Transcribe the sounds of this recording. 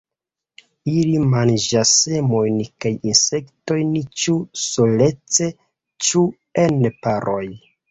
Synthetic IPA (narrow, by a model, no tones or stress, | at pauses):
ilimand͡ʒase̞mo̞jnkajinse̞kto̞jnit͡ʃusole̞t͡se̞ | t͡ʃu | enpaɾʔo̞j